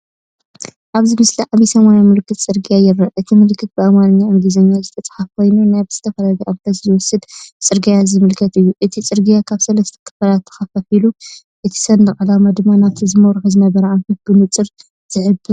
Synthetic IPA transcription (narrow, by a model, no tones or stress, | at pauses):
ʔaβzimɨsliʕaβisɐmanamɨlkʰːɨt̪t͡sʼɨɾɡijajɪɾːɐʔʔɨt̪ʰimɨlkʰːɨt̪̚bɨʔɐmanɨɲːaɨŋɡizɐɲːazɨt̪ʰɐt͡sʼɐ̥ħafkʰo̞jnunajbzɨ̥t̪ʰɐfɐlɐɡʔaβt̪ʰɐzzwɔsɨd̪t͡sʼɨɾɡijazɨmɨlkʰɐt̪ɨjːuʔɨt̪ʰit͡sʼɨɾɡijakʰaβsɐlɐst̪ʰɐ̥kʰɨ̥falat̪ʰːɐ̥xɐfɐfilu | ʔɨt̪ʰi̥sɐnd̪ɨχʼɨlamad̪ɨmːanaβt̪ʰizɨmɐwɾħɨzɨnɐβɐɾɐʔamtɨt̪̚bɨnɨt͡sʼɨɾ | z̥ɨʕɨbɨ